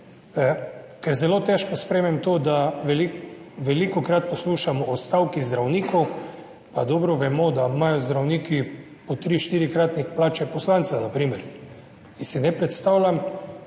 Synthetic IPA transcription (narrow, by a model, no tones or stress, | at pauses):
kɛɾzɛloːt̪ɛʃkɔspɾɛmɛmt̪oːd̪aʋɛliʋɛlikɔkɾat̪̚pɔsluːʃamɔɔst̪awkizd̪ɾawniːkɔw | pad̪ɔbɾɔʋɛmɔd̪amajɔzd̪ɾawniːki | pɔt̪ɾiʃt̪iːɾikɾat̪nixplaːt͡ʃɛpɔslant̪sanapɾiːmɛɾ | insinɛpɾɛt̪st̪awlʲam